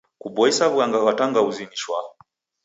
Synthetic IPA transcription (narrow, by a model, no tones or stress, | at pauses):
kubɔisaβuaŋɡakataŋɡauziniʃwa